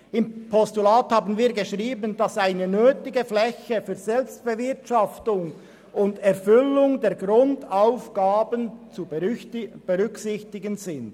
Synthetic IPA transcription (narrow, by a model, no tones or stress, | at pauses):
ɪmpʰɔstulaːthɑːbənviːɐɡəʃʁiːbənd̥ɑsaɪnənøːtɪɡəflɛçəfyːɾzɛlpst̚b̥əvɪʁtʃɑftʊŋ | ʊndɛɾfʏlʊŋdɛːɾɡʁʊndaʊfɡ̥aːbənt͡su | b̥əʁʏksɪçtɪɡənzɪnd̥